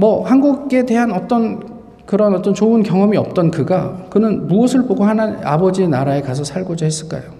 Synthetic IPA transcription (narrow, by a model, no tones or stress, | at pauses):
mʌhanɡuɡɡe̞de̞ɦanʌt͈ʌn | kɯɾʌnʌt͈ʌnt͡ɕoɯnkjʌŋʌmiʌp̚t͈ʌnkɯɡakɯnɯnmuʌsʰɯɭboɡohanana̰bʌd͡ʑinaɾae̞kas̬ʰʌsʰaɭɡod͡ʑahes͈ɯɭk͈a̰jo